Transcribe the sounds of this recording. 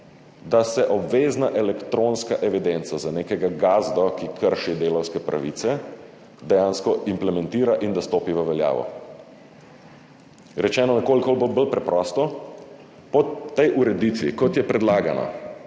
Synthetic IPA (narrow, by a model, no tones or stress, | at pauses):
d̪asɛʔɔbʋeːznaʔɛlɛkt̪ɾoːnskaʔɛʋid̪ent̪sazaneːkɛɡaɡaːzd̪ɔkikʰəɾʃid̪eːlɔwskɛpɾʔa̰ʋit̪sɛ | d̪ɛjaːnskɔimplɛmɛ̃nt̪iːɾaʔind̪ast̪oːpiʋəʋɛlja̰ːʋɔ̰ | ɾɛt͡ʃɛːnɔnɛkoːlikolbobəlpɾɛpɾɔst̪ɔ | pɔt̪ːejʔuɾɛd̪it̪ʋḭkɔt̪jɛpɾɛd̪laːɡana̰